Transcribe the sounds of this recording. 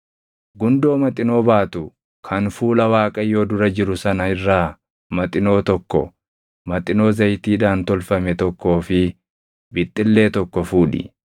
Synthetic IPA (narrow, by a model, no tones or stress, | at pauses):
ɡʊnd̪o̞ːmɐt̪ʼɪno̞ːbaːt̪ʊ | kʰɐnfuːlɐwaːkʼɐjːo̞ːd̪ʊɾɐd͡ʒɪɾʊsɐnɐɪrːaː | mɐt̪ʼɪno̞ːt̪ɔkːɔ̰ | mɐt̪ʼɪno̞ːzɐjt̪iːᶑaːnt̪ɔlfɐmɛt̪ɔkːo̞ːfɪ | bɪt̪ʼːɪlːe̞ːt̪ɔkːɔfuːᶑɪ̰